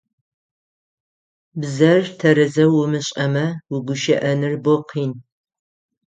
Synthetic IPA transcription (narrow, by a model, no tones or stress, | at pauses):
bzɐrtʰɐɾɨzɐwʊmɨɕʼɐmɐwʊɡʷʊʃɐʔɐnɨrboqʰiːn